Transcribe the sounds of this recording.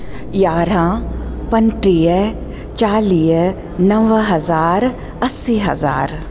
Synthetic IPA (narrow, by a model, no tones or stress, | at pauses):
jaːɾãːpənʈɾijə | t͡ʃaːlij | nɐʋɦɐzaːɾ | ɐsːiːɦɐ̰za̰ːɾ